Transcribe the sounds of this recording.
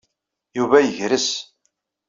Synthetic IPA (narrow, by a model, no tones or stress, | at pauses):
juvæjəʝɾəs